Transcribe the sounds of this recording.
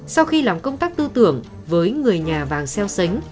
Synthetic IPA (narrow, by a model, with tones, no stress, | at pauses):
sa˧wxi˧laː˨˩mkə˧wŋ͡mt̪aː˦˥k̚t̪ɨ˧t̪ɨ˧˨əŋ | vəː˨˦jŋɨ˨˩əjɲaː˨˩vaː˨˩ŋsɛ˧wsə˨˦ŋ̟